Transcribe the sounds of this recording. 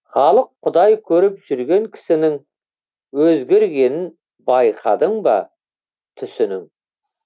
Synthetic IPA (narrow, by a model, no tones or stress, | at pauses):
χɑlˠəqʰːʊd̪ɑjkʲʰɵɾɪpʒ̥ʏɾɡʲe̞ŋkʲʰɪ̥sɪnɪŋ | wɵzɡʲe̞ɾɡʲe̞nɪn | bɑjqʰɑd̪əɴbɑ̰ | t̪ʰʏsɪnɪŋ